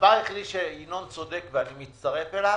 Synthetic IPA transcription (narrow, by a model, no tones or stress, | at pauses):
vaiχliʃeinont͡sod̪e̞kveanimit͡st̪aʁefela